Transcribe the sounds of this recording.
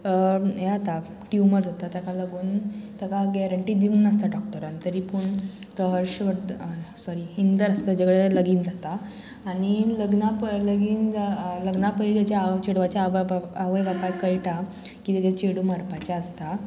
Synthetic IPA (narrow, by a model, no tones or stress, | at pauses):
əɦɛɦat̪a | ʈjuməɾd͡zat̪at̪akaləɡuːnt̪akaɡɛɾəɳʈiːd̪iuːnəst̪aɖɔk̚ʈəɾant̪əɾiːpuɳt̪əɦəɾɕʋəɾsɔɾiind̪əɾəst̪əd͡ʑəɡɽeləɡiːnd͡zat̪aː | ɽ̃iləɡnapələɡiːnd͡zaləɡnapəɾit̪jat͡ɕjat͡ɕeɽʋat͡ɕjaːʋəjʋapajkəjʈa | kiːt̪jat͡ɕat͡ɕeɽuməɾpat͡ɕaəst̪a